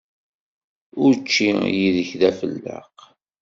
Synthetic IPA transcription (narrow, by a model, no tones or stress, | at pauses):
ʊɾt͡ʃːijiðəçðæfəlːə̰q